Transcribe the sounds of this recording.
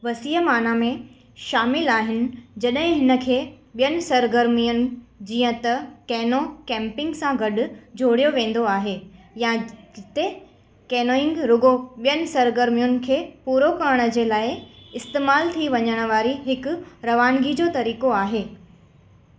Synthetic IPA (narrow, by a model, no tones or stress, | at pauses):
ʋɐsiːəmaːnamẽ | ʃaːmɪlaːɦɪnɪ̆d͡ʑɐɗɦɪ̃ɦɪnə̆kʰeː | ɓijənɪ̆sɐɾɡəɾmijʊnɪ̆d͡ʑiːə̃t̪ɐkɛːnokɛ̃ːmpɪ̃ŋɡsãɡɐɗʊ̆d͡ʑʱoːɽijoʋẽːn̆d̪oaːɦeː | jãɪt̪e | kɛːnoːɪ̃ŋɡɾʊɡoɓijənɪ̆sɐɾɡəɾmijʊnɪ̆kʰeːpuːɾokɐɾɽ̃ə̆d͡ʑeːlaːɪɪst̪eːmaːlt̪ʰiʋɐɲəɽ̃ə̆ʋaːɾiɦɪkʊɾɐʋaːnɡid͡ʑoːt̪ɐɾiːkoaːɦeː